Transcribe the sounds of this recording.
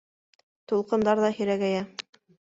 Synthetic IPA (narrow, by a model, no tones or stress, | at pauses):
t̪ulˠqɤ̆nd̪ɑɾðɑhɵ̆ɾæɡæjæ